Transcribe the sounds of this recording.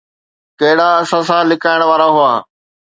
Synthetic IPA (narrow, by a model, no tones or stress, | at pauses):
kɐɦɪɽaɐsãsãːlɪkaːɪɽ̃ʋaːɾaɦʊaː